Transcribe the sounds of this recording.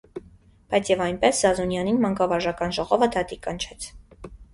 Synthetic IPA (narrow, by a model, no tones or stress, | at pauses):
b̥ɑjt͡sʰjɛvɑjnpɛszɑzunjɑninmɑŋkɑvɑɾʒɑkɑnʒɔʁɔvəd̪ʰɑt̪ikɑnt͡ʃʰɛt͡sʰ